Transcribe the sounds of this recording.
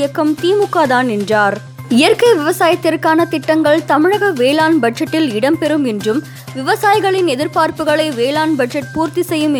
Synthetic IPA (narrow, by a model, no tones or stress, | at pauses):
jɐkːɐmt̪iːmʊkːaːðaːnɪndraːɾ | ɪjɐɾkɐɪʋɪʋɐsaːjɐt̪ːɪrkaːnɐt̪ɪʈːɐŋɡɐɭt̪ɐmɪɻɐɣɐʋeːlaːnbɐɖ̚d͡ʒɐʈːɪlɪɽɐmpɛɾɯmɛndrɯm | ʋɪʋɐsaːjɪɣɐɭɪnɛðɪɾpaːɾpɯɣɐɭɐɪʋeːlaːnbɐɖd͡ʒɐʈ̚puːɾt̪isɛjːɯm